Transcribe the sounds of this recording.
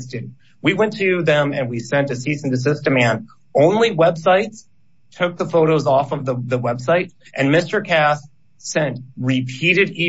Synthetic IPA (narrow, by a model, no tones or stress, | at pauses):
sdɨ | wiwɛ̃ntʰɨðɨ̃mɨ̰̃nwisɛ̃ntɨsitsɨ̃n̩tɨs̬ɪstəmæ̃n | ʔõʊ̃nliwɛb̥saɪts | tʰʊk̚ðəfoʊɾoʊzɔfʌvðəðəwɛb̥saɪɾ | ʔɨ̃nmɪstə˞kʰæs | sɛ̃ntɹɪpʰiɾɨɾi